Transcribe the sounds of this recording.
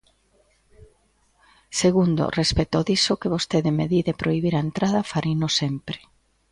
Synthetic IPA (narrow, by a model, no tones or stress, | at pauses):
seɣund̪o̰respet̪oðisokeβost̪eðemeðiðepɾʔoiβ̞iɾaent̪ɾaðɐfaɾinosempɾɪ̥